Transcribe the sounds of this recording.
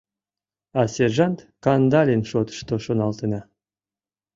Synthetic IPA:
ɑsʲeʐɑnt̪kɑnd̪ɑlʲinʃot̪ɤ̥ʃt̪oʃonɑlˠt̪ɤnʲɑ

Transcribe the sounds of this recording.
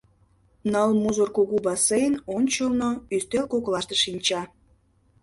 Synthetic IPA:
nəlmuzorkuɣubɑsejənonʲt͡ɕəlnoyst̪elkoklˠɑʃt̪eʃinʲt͡ɕɑ

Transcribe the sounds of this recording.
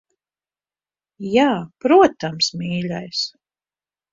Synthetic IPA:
jaːpɾuɔt̪amsmʲiːlʲajs

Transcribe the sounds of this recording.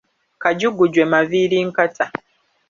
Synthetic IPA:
kaɟuɡuɟwemaviɾiŋkatʰa

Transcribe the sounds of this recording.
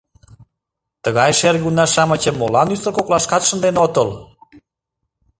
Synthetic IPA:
t̪əɣɑjʃerɣunɑʃɑmət͡ɕə̆mːolɑnysəlkoklɑʃkɑt̪ʃənd̪enot̪əl

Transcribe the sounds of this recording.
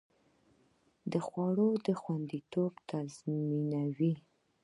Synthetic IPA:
d̪əxwɑɽod̪əxwand̪it̪obt̪ʰazminawi

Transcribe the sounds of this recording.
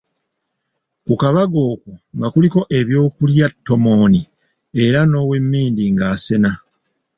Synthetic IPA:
kukaβaɡo̞ːkuŋɡakuliko̞ʔe̞βjo̞ːkuljatːo̞mo̞ːni | e̞ɾano̞ːwe̞mːiːndiŋɡaːse̞na

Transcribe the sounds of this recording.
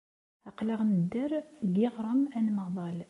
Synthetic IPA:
ɑqləʁnəd̪ːəɾɡiʁɾˤəmænmɑðˤɑl

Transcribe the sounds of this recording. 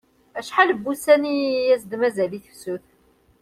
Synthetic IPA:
æʃħaləbːusænijæsd̪mæzæliθə̥fsuθ

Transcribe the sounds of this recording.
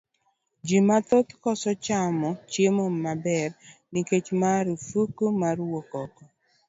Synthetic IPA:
d͡ʒimat̪ot̪kɔsɔt͡ʃamɔt͡ʃemɔmabɛrniket͡ʃmaɾufukumarwokɔkɔ

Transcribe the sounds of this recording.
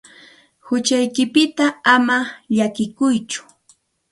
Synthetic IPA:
hʊt͡ʃajkɪpɪt̪aamaʎakɪkʊjt͡ʃʊ̥

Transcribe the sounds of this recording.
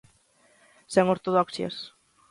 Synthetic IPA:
seŋoɾt̪oð̞ɔksjɐ̰s

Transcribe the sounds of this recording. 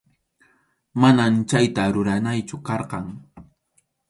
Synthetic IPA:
manamt͡ʃajt̪aɾʊɾanajt͡ʃʊkɑɾqɑŋ

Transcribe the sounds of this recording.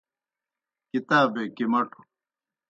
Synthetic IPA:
kit̪aːbeːkimɐʈo̥

